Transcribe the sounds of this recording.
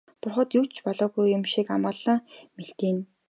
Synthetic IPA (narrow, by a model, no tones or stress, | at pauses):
pʊrχə̆t̪juwt͡ɕpɔɮɔːɣujːʊmʃikamăːɮə̆ŋmeɬt̪iːn